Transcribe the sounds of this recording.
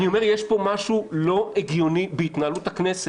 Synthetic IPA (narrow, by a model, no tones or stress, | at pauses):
nio̞me̞ʁjeʃpo̞maʃulo̞ʔeɡjo̞nibeit̪naːlutaknese